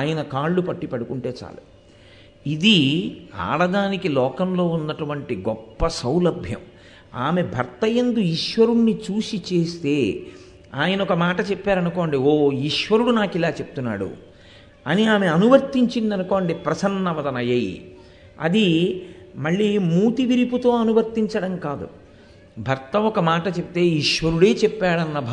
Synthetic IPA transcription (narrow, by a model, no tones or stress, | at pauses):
aːjɐnɐkaːɭːupɐʈːipɐɽukuɳʈe̞ːt͡ʃa̰ːlṵ | id̪ia̰ːɭɐd̪aːnikilɔːkɐmlo̞ːunːɐʈɐʋɐɳʈiɡɔpːɐsɐwlɐbʱjɐ̰m | aːme̞bʱɐɾt̪ɐjɐnd̪uiʃʋɐɾunːit͡ʃuːsit͡ʃe̞ːst̪e̞ː | aːjɐnɐɔkɐmaːʈɐt͡ʃepːaːɾɐnukoːɳɖioːiʂʋɐɾuɽunaːkilaːt͡ʃepu̥t̪unːa̰ːɽṵ | ɐniaːmeɐnuʋɐɾt̪iɲt͡ʃind̪ɐnukoːɳɖipɾɐsɐnːɐʋɐd̪ɐnɐjɐj | ɐ̰d̪i | mɐɭːimuːt̪iʋiɾiput̪o̞ːɐnuʋɐɾt̪iɲt͡ʃɐɽɐmkaːd̪ṵ | bʱɐɾt̪ɐɔkɐmaːʈɐt͡ʃepit̪e̞ːiʂʋɐɾuɽe̞ːt͡ʃɛpːaːɽɐnːɐbʱ